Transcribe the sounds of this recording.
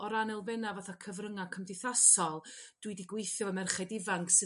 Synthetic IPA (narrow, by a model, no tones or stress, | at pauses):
ɔɾanɛlˠvɛnavaːθakʰəvrəŋakʰəmdɪθasɔlˠd̥wɨdiɡwejθjɔəmɛrχɛdɪvaŋksɨ